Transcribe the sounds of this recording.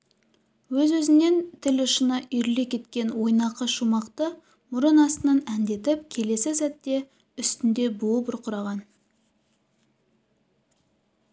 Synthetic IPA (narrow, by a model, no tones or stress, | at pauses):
wɵzwɵzɪne̞nt̪ʰɪlʊʃənɑʔʏjɾle̞kʲʰe̞t̪kʲe̞nwo̞jnɑqəʃumɑqt̪ə | mʊɾənɑst̪ənənænd̪e̞t̪ɪpkʲʰe̞le̞sɪsæt̪ːe̞ | ʏst̪ɪnd̪e̞buəpʊɾqʰʊɾɑʁɑn